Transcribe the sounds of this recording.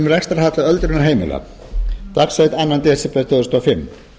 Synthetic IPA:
mɾɛkst̪aɾhat̪laœlt̪ɾʏnaɦeːjmɪ̰la̰ | t̪aksœjt̪anːant̪ɛsɛpɛt̪ʰœɣðʏst̪ʰɔafɪmː

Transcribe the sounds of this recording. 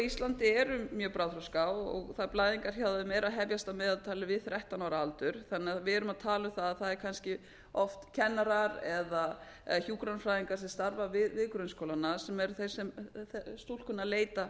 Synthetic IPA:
ist̪lant̪ɪɛɾʏmjœːpɾawðθɾɔskawɔ̰ɣθaðplaːðiŋkaɾ̥çawðʏmɛɾaðɦɛvjast̪amɛːðalt̪ʰaːlʏvɪðθɾɛht̪anɔːɾaalt̪ʏɾ̥θanːɪaðvɪɛɾʏmaðt̪ʰaːlʏθaðaθaðɛɾ̥kʰanscɪ | ɔft̪cʰɛnːaɾaɾɛða | çuːkɾanfɾajðiŋkaɾ̥sɛst̪aɾvavɪðvɪðkɾœɥnskoːwlanːasɛmɛɾθej̥sɛmθst̪ul̥kʏnːaleːjt̪a

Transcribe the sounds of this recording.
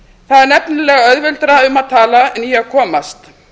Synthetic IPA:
θaðɛɾnɛpnɪlɛːɣaœðvɪlt̪ɾaʏmaðt̪ʰaːlaɛnjɛakʰɔːmast̪

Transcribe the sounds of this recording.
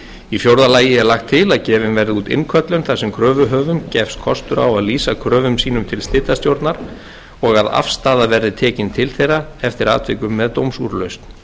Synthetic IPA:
ifjowɾðalaːjɪɛɾlaxt̪ʰːɪlaðcɛːvɪnvɛɾðɪuːt̪ɪ̰nkʰœt̪lʏnθasɛmkʰɾœːvʏɦœːvʏmcɛfst̪kʰɔst̪ʏɾa̰waðliːsakʰɾœːvʏmsiːnʏmt̪ʰɪlst̪ɪt̪ːast̪jowɾt̪naɾ̥ | ɔɣaða̰fst̪aːðavɛɾðɪt̪ʰɛːcɪnt̪ʰɪlθejɾaɛft̪ɪɾa̰ːt̪ʰvɪkʏmːɛðt̪owmsṵɾlœɥst̪n̥

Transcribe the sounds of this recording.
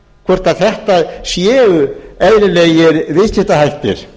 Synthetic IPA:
kʰvɛr̥t̪naðθɛht̪asjɛːʏɛðlɪleːjɪɾðɪsɪht̪ahajht̪ɪ̰ɾ̥

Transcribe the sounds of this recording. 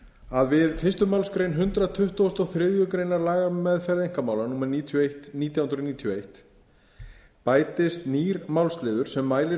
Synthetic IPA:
aðvɪðfɪst̪ʏmawlskɾejnɦʏnt̪ɾat̪ʰʏht̪ust̪ɔɣθɾɪːðjʏkɾejnaɾlaːɣamɛðfɛɾðejŋ̥kamawlanuːmɛɾniːt̪ʰejht̪niːt̪̬jawʏnɾɔniːt̪ʰijɔejht̪ | paːjt̪ɪst̪niːɾmawlst̪lɪːðʏɾ̥sɛmːaːjlɪ

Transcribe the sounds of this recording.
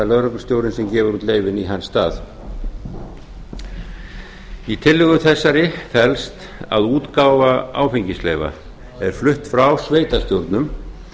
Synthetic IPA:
alœðɾʏpnʏst̪joːwɾɪnsɛmcɛːvʏɾut̪leːjvɪniɦanːsːt̪a̰ːθ | it̪ʰɪlːʏɣʏmθɛsːaɾɪfɛlst̪ | a̰ðuːt̪kaːwvaa̰ːwfiɲcɪslɛːva̰ | ɛɾ̥flʏht̪fɾawsveːjt̪ast̪jowɾt̪nʏm

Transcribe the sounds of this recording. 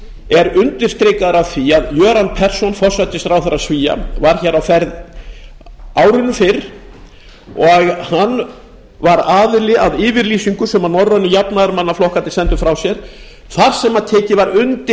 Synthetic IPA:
ɛɾʏnt̪ɪ̥st̪ɾeːkaðɾavθiaðjœːɾanpʰɛr̥sɔnfɔrsat̪ɪst̪ɾawθaɾasviːja̰vaɾ̥çɛɾawfɛɾð | aːwɾɪnʏfɪɾ | ɔɣhanː | vaɾaːðɪlɪaðɪːvɪɾliːsiŋkʏsɛmanɔɾvaʏnːʏjapnaðaɾmanːaflɔhkant̪ɪ̥sɛnt̪ʏfɾawsjɛɾ̥ | θaɾ̥sɛmaðt̪ʰɛːcɪvaɾʏnt̪ɪ

